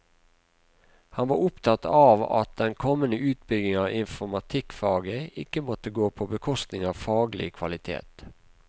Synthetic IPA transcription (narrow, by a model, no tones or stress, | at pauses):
hɑnʋɑːɾʊpt̪ʰɑt̪ɑːʋɑ̰t̪̚d̪ɛnkʰɔmənəʉːt̪̚bʏɡ̪ɪŋɑːɪnfɔmɑt̪ʰɪkfɑːɡəɪkəmɔt̪əɡoːpʰoːbəkʰɔst̪nɪŋɑːʋfɑːɡlɪ̰kʰʋɑlɪt̪ʰḛːt̪